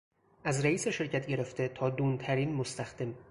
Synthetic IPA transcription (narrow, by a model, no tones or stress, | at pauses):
ʔæzɾæiːseʃe̞ɾcʰæt̪ɟe̞ɾe̞ft̪e̞t̪ʰɒːd̪uːnt̪ʰæɾiːnmost̪æxd̪̥e̞m